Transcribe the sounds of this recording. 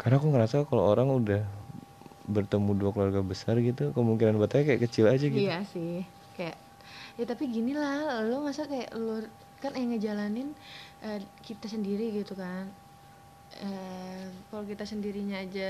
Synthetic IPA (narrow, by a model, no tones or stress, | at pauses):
karnakuŋəɾasakalo̰oɾaŋudah | bərt̪əmuduakəluarɡabəsarɡit̪ukəmuŋkinanbat̪aɲakajaʔkət͡ʃilad͡ʒaɡitjasɪh | kajaʔ | jat̪apiɡinilalomasakaja̰ʔlor | kanajaŋəd͡ʒalanɪnʔəkit̪asəndiɾiɡit̪ukan | ə | kalokit̪asəndiɾiɲaːd͡ʒa